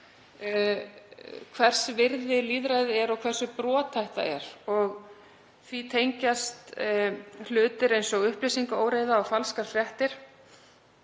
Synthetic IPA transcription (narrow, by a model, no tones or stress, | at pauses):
kʰvɛr̥svɪɾðɪliːðɾajðɪɛɾɔkʰv̥ɛr̥sʏpɾɔːt̪ʰajht̪a̰ɛ̰ɾɔɣ | θvit̪ʰejɲcast̪ | lʏːt̪ɪɾejnsɔɣʏhplijsiŋkaoːwɾeːjðaɔfalskaɾ̥fɾjɛht̪ɪɾ̥